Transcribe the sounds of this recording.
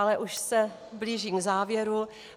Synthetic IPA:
alɛʔuʃsɛ | bliːʒiːɡzaːvjɛɾu

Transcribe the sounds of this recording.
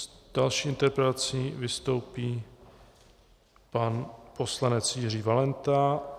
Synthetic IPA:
d̥alʃiːɪnt̪ɛɾpɾɛt̪at͡sivɪst̪o̞wpiː | panpo̞slanɛt͡sjir̝iːvalɛnt̪a

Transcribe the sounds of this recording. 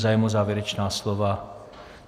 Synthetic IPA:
zaːjɛmuzaːvjɛɾɛt͡ʃnaːslova

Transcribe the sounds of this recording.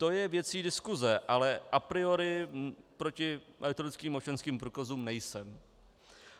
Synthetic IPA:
t̪o̞jɛvjɛt͡siːdɪskuzɛʔalɛʔapɾɪoɾɪpɾo̞cɪmʔɛɾɪt̪oɾɪt͡skiːmot͡ʃɛnskiːmpɾuːkazuːmnɛjsɛm

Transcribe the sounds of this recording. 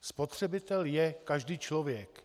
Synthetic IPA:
spot̪r̝̥ɛbɪt̪ɛljɛkaʒdiːt͡ʃlovjɛk

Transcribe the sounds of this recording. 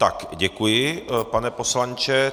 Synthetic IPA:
t̪akɟɛkujɪpanɛposlant͡ʃɛ

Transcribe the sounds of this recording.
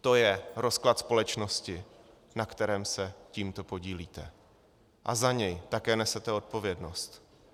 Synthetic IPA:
t̪o̞jɛɾo̞sklat̪spo̞lɛt͡ʃno̞scɪ | nakt̪ɛɾɛːmsɛciːmt̪o̞po̞ɟiːliːt̪ɛ | ʔazaɲɛjt̪akɛːnɛsɛt̪ɛo̞t̪̚po̞vjɛdno̞st̪

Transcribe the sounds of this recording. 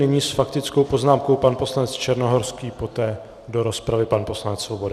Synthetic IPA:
nɪɲiːsfakt̪ɪt͡skowpo̞znaːmkowpanpo̞slanɛt͡st͡ʃɛɾnoɦo̞ɾskiːpo̞t̪ɛː | do̞ɾo̞spɾavɪpanpo̞slanɛt͡sːvobo̞dɪ

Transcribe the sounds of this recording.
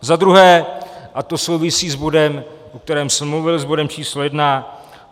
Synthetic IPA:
zad̪ɾuɦɛːʔat̪o̞so̞wvɪsiːzbo̞dɛm | ok̚t̪ɛɾɛːmsɛmːluvɪlzbo̞dɛmt͡ʃiːslojɛdna

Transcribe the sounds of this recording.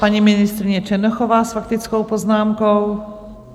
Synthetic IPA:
aɲiminist̪ɾiɲɛt͡ʃɛnɔxɔvaːsfakt̪it͡skɔwpɔznaːmkɔw

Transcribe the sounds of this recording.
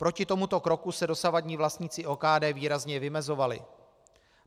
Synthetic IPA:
pɾo̞cɪt̪o̞mut̪o̞kɾo̞kusɛdo̞savadɲiːvlast̪ɲɪt͡sɪʔo̞ːkaːdɛːviːɾazɲɛvɪmɛzo̞valɪ̰

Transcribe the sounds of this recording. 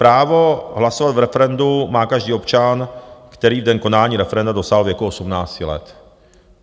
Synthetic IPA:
pɾaːvo̞ɦlasovad̪vɾɛfɛɾɛndumaːkaʒdiːo̞pt͡ʃankt̪ɛɾiːvdɛnko̞naːlɲiːɾɛfɛɾɛndado̞saːɦlvjɛkuʔosumnaːt͡scɪlɛ̰t̪

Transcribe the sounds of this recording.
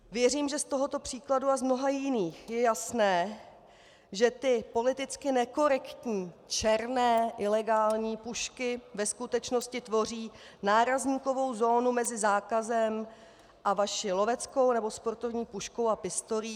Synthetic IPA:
vjɛriːmʒɛst̪o̞ɦot̪o̞pr̝̥iːkladuazmno̞ɦajɪniːxjɛjasnɛː | ʒɛt̪ɪpo̞lɪt̪ɪt͡skɪnɛko̞ɾɛkt̪ɲiːt͡ʃɛɾnɛːʔɪlɛɡaːlɲiːpuʃkɪvɛskut̪ɛt͡ʃno̞scɪt̪vo̞r̝iː | naːɾazɲiːko̞vo̞wzo̞ːnumɛzɪzaːkazɛm | ʔavaʃɪlo̞vɛt͡sko̞wnɛbo̞spo̞ɾt̪o̞vɲiːpuʃko̞wapɪst̪o̞ɾiː

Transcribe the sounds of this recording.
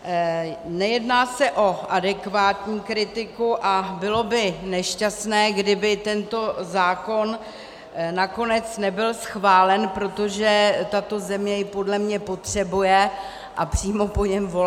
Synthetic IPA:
nɛjɛdnaːsɛʔo̞ʔadɛkvaːt̪ɲiːkɾɪt̪ɪkuʔabɪlo̞bɪnɛʃcasnɛːɡdɪbɪt̪ɛnt̪o̞zaːko̞n | nako̞nɛt͡snɛbɪlsxvaːlɛnpɾo̞t̪o̞ʒɛt̪at̪o̞zɛmɲɛjɪpo̞dlɛmɲɛpo̞t̪r̝̥ɛbujɛ | ʔapr̝̥iːmo̞po̞ɲɛmvo

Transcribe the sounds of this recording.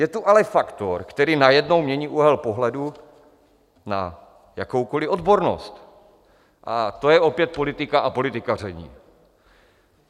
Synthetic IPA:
jɛt̪uʔalɛfakt̪oɾkt̪ɛɾiːnajɛdno̞wmɲɛɲiːʔuɦɛlpo̞ɦlɛdu | na̰ | jakowko̞lɪʔo̞d̪boɾno̰st̪ | ʔa̰t̪o̞jɛo̞pjɛt̪̚po̞lɪt̪ɪkaʔapo̞lɪt̪ɪkarɛɲḭː

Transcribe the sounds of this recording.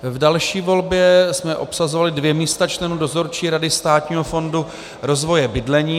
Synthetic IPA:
vdalʃiːvo̞lbjɛsmɛʔo̞psazovalɪdvjɛmiːst̪at͡ʃlɛnuːdo̞zo̞ɾt͡ʃiːɾadɪst̪aːt̪ɲiːɦofo̞ndu | ɾo̞zvo̞jɛbɪdlɛɲiː

